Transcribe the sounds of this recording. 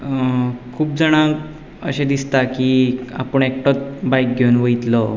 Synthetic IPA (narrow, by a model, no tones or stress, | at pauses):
kʰuːpd͡zəɽ̃ãk | ə̰ɕẽd̪ist̪akia̰pəɳek̚ʈot̪bajk̚ɡʱeunʋəit̪lə